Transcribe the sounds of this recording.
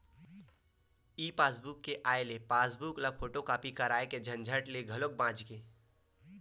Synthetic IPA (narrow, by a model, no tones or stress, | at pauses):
iːpaːsbukːeʔaːelepaːsbuklafʰoːʈokaːpikɐɾaːeked͡ʒʱɐ̃nd͡ʒʱəʈleɡʱɐlok̚bãːd͡ʒkeː